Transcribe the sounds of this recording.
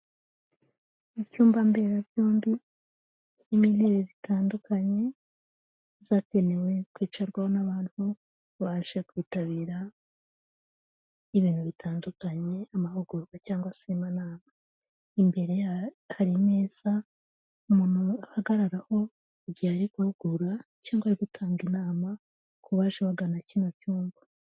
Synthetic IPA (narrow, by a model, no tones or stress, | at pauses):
icuːmbambe̞ɾaβjoːmbi | ciminiβezitaːndukaɲe̞ | zaːcenewe̞kwiːt͡ʃaɾɡwaho̞naβaːntu | βaʃekwiːtaβiːɾa | iβiːnhuβitʰaːndukaɲe̞amahuɡuɾɡacaːŋɡwasimanaːma | imbe̞ɾe̞ | haɾime̞ːz̥a | umuːn̥huahaɡaɾaɾaho̞ | ɟiaɾikuhuɡ̥uɾacaːŋɡwaɾiɡutʰaːŋɡinaːma | kuβaːʃewaɡanacinocuːɱva